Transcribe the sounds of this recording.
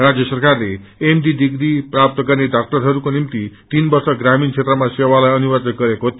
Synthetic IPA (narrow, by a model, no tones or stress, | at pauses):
rad͡zjʌsʌrkarle | emɖid̪iɡɾiprap̚t̪ʌɡʌrneɖak̚ʈʌɾɦʌɾukonimt̪it̪inbʌrsʌɡɾamint͡sʰet̪rʌmasewalajʌnubʌrt͡sʌt̪̚ɡʌɾekoɦt̪